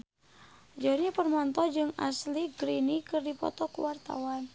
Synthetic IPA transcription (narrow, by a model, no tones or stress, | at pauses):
d͡ʒɔɲapərmɔnt̪ɔd͡ʒɨŋa̰sliɡɾinikɨrdipɔ̰t̪ɔkṵwart̪a̰wan